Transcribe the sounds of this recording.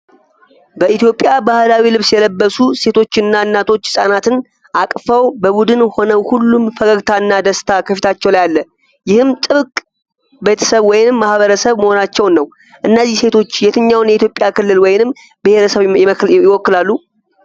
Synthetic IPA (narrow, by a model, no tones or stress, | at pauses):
bəit̪jo̞pʼjabahlawilɨβsjɛləbːəsuse̞t̪ʰo̞t͡ʃːɨnːaɨnːat̪ʰo̞t͡ʃːsʼanat̪ɨn | ʔakʼfəwbəbud̪ɨnho̞nəwhulːumfəɡəɡt̪ʰaɨnːad̪əst̪ʰakʰəfit̪ʰat͡ʃːɛwlajalːə | jɪhɨmt̪ʼɨβɨkʼ | be̞t̪ʰə̥səβwɔjɪnɨmːahβəɾəsəβməho̞nat͡ʃːɛwnːəw | ʔɨnːəzːihse̞t̪ʰo̞t͡ʃːjɛt̪ʰɨɲːawnjɛit̪̬ʰjo̞pʼjakʰɨlːɨlwɔjɪnɨm | bɨhe̞ɾəsəβɪməkɪwɔkːɨlalːu